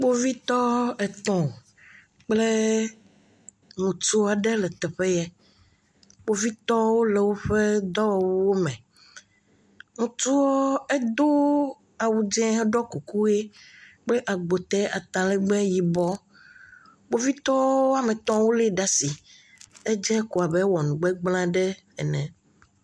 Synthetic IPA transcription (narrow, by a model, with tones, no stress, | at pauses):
k͡po˦vi˦t̪ɔ˦ɛ˨t̪ɔ̃˨o˨ | k͡ple˦ | ŋũ˨t̪u˦a˨ɖe˦lɛ˨t̪ɛ˨ɸe˦jɛ˦ | k͡po˦vi˦t̪ɔ˦wo˦le˨wo˦ɸe˦d̪ɔ˦wɔ˨wu˦wo˦mɛ̃˨ | ŋũ˨t̪u˦wo˦e˦d̪o˦ | a˨wu˨d͡ʒɛ̃˦ɦɛ˦ɖɔ˦ku˨ku˦e˦k͡ple˦ʔa˨ɡ͡bo˨t̪ɛ˦a˨t̪ã˨lɛ˦ɡ͡bɛ˦ji˨bɔ˦ | bo˦vi˦t̪ɔ˦wo˦a˦mẽ˨t̪ɔ̃˦wo˦le˦ɖa˦si˨ | e˦d͡ʒɛ˦ko˨a˨bɛ˦wɔ˨nũ˨ɡ͡bɛ˦ɡ͡blã˦ɖɛ˦ | ɛ˨nɛ̃˨